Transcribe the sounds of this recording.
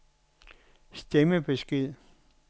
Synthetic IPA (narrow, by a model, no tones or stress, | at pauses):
sd̥eməb̥esɡ̥ið̰ˠ